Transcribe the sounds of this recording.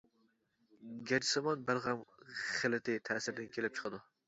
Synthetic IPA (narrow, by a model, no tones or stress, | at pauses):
ɡʲæd͡ʒisɑmɑnbælˠʁæmχɪlɪt̪ʰɪt̪ʰæsɪɾd̪ɪnkʲʰelɪp̚t͡ʃʰə̥qʰɨd̪u